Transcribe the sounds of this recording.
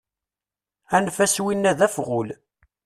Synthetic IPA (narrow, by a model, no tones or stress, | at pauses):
ænfæswinːæðæfʁʊl